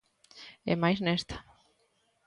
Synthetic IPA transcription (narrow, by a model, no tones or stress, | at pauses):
ḛmajznest̪ḁ